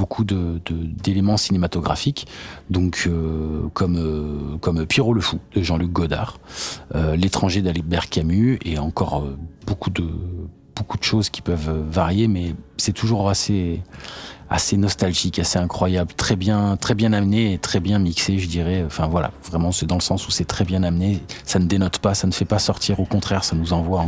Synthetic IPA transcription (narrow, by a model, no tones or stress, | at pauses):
bokʰud̪əd̪əd̪elemɑ̃sinemat̪ɔɡʁa̰fikd̪ɔ̃kʰøkʰɔmøkɔmpjeʁoləfud̪̥əʒɑ̃lyk̚ɡɔd̪a̰ʁølet̪χɑ̃ʒed̪albɛʁkʲamyeɑ̃kɔʁøbokʰud̪ə | b̥okud̪əʃozkʲi̥pœvøːaʁjemɛsɛt̪ʰuʒuʁase | a̰senɔst̪alʒikaseɛ̃kχwajablt̪χɛbjɛ̃t̪χɛbjɛ̃namneːt̪χɛbjɛ̃mikseʒəd̪iʁɛøɑ̃fɛ̃vwala̰vʁɛmɑ̃sɛd̪ɑ̃ləsɑ̃susɛt̪χɛbjɛ̃namnesanəd̪enɔt̪pasanəfɛpasɔʁt̪ʰiʁokɔ̃t̪χɛʁsanuzɑ̃vwã